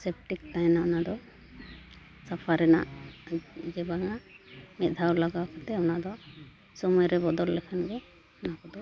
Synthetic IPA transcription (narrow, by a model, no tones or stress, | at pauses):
sep̚ʈik̚t̪ajnaɔnad̪ɔ | sapʰaɾɛna̰ʔ | d͡ʒɛbaŋamɛt̪̚ˀd̪ʱawlaɡawakɔt̪ɛɔnad̪ɔ | sɔmɔjɾɛbɔd̪ɔlːɛkʰanɡɛ | nakɔd̪ɔ